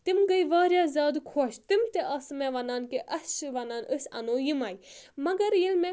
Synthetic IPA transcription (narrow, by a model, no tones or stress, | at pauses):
t̪imɡɐiʋaːɾjaːzʲaːd̪kʰoːʃt̪imt̪eʔɐsmẽʋɐnaːnkeʔɐst͡ʃʋɐnaːnəsɐ̰noːjimaːjimɐɡɐɾjilmẽ